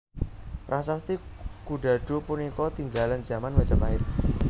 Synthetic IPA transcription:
pɾʔasast̪ikuɖa̤ɖ̥o̤punikɔt̪iŋɡaland͡ʒ̥a̤manwat͡ʃapaɪt̪̚

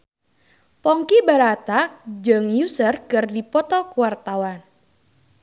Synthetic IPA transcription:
pɔŋkibaɾat̪ad͡ʒɨŋjusərkɨrdipɔt̪ɔkuwart̪awan

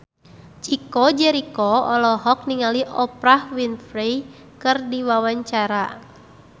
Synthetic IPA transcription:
t͡ʃikɔd͡ʒɛɾikɔɔlɔɦɔk̚niŋaliʔɔpɾahwinfɾej | kɨrdiwawaɲt͡ʃaɾa

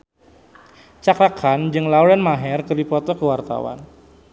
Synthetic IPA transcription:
t͡ʃakɾakʰand͡ʒɨŋlawɾɛnmaɦɛrkəripɔt̪ɔkəwart̪a̰wa̰n

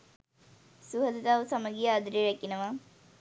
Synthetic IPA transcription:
suɦɐd̪ɐt̪aːʋsɐmɐɡijaːd̪ɾiɻɐkːinɐʋa

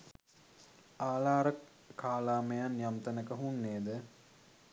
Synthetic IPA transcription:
aːlaːɾə | kaːlaːməjanjamt̪ənəkəɦunːeːd̪ə

